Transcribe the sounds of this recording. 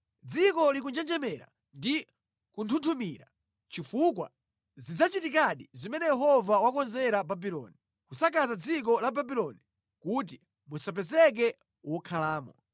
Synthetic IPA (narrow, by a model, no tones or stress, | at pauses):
d͡zikɔlik̬und͡ʒɛnd͡ʒɛmɛɾa̰ | ndi | kuntʰuntʰumiːɾa | t͡ʃifukwa̰ | zid͡zat͡ʃitikaɗizimɛnɛjɛɦɔvawakɔnzɛɾababilɔ̰ːni | kusakazad͡zik̬ɔlababilɔni | kut̬i | musap̬ɛzɛk̬ɛ | wɔkʰalaːmɔ